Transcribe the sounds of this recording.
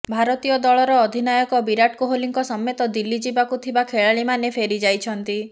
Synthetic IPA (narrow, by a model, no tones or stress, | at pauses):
bʱaɾɔt̪ijɔd̪ɔɭɔɾɔːd̪ʱinajɔkɔbiɾaʈ̚kuɦoliŋkɔsɔmjɔt̪ɔd̪ilːid͡ʒibakut̪ʰibakʰeɭaɭimanepʰeɾid͡ʒajt͡ʃʰɔnt̪i